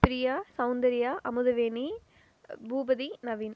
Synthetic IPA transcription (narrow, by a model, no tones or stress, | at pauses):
pɾijaːsɐʊnd̪ɐɾijaːʔɐmuðɐʋeːni | bʱuːbɐd̪inɐʋiːn